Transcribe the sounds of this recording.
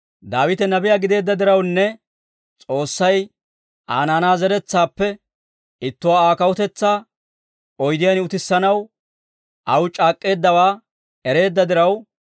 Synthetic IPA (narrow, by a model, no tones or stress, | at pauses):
d̪aːwɪt̪ɛnɐbɪjaːɡɪd̪e̞ːd̪ːɐd̪ɪɾɐwnːɛ | t͡sʼo̞ːsːɐj | ʔaːnaːnaːzɛɾɛt͡sːaːpːɛ | ɪt̪ːʊwaːaːkɐwɔt̪ɛt͡sːaː | ɔjd̪ɪjɐnɪʊt̪ɪsːɐnɐw | ʔɐwt͡ʃʼaːkʼːe̞ːd̪ːɐwaː | ɛɾe̞ːd̪ːɐd̪ɪɾɐw